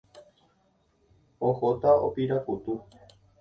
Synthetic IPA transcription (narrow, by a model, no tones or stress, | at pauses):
ohot̪ao̰piɾakut̪u